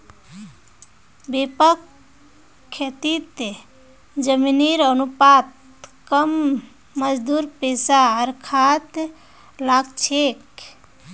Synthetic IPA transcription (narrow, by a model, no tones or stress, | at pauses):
bepəkʰː | et̪it̪ | d͡ʒəminiɾənupat̪ | kəmː | əd͡ʒd̪uɾpesaəɾkʰat̪ | laɡt͡ʃʰek